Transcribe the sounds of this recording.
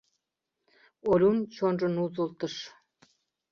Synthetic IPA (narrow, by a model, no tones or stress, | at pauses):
olʲunt͡ɕonrənuzulˠt̪ə̆ʃ